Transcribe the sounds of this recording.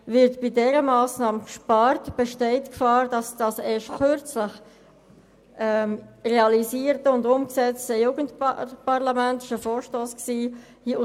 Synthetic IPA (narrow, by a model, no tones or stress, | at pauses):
vɪɾtb̥idɛɾəmɑːsnɑːmkʃpɑɾtb̥ɛʃtɛɪtkfɑːɾd̥ɑsd̥ɑseːʃtkøɾt͡sləχ | ʔɛmʁeɑliziːəɾtəʊndʊmksɛt͡stəjuːɡəntppɑʁlɑmɛntɪʃəfoːɾʃtoːsksiː | hiʊ